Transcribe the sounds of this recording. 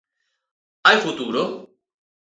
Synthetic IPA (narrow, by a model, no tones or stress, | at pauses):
ajfut̪uːɾo